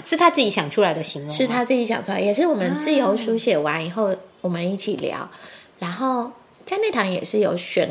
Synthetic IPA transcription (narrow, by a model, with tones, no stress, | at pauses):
ʂɻ̩˥˩t̪ʰa˦˥t͡sɹ̩˥˩t͡ɕi˧˥ɕjɑ˨˩ŋʈ͡ʂʰu˥la˧˥ɪd̪ə˧ɕi˧˦ŋwʂɻ̩˥˩t̪ʰa˥t͡sɹ̩˥˩t͡ɕi˧˥ɕjɑ̰˨˩ŋʈ͡ʂʰu˥la˧ɪjɛ˨˩ʂ̬ɻ̩˥˩wɔ˨˩mə˦nt͡sɹ̩˥˩jo˧˥ʊʂu˧˥ɕjɛ˨˩wa˧˦ni˨˩xo˥˩ʊwɔ˨˩mə˦ni˥˩t͡ɕʰi˨˩ljɑ̰˧˥ʊɻa˧˥nxo˥˩ʊ | t͡sa˥˧ɪne˥˩ɪt̪ʰɑ˧˥ŋjɛ̰˨˩ʂɻ̩˥˩jo˨˩ʊɕɥɛ˨˥˦n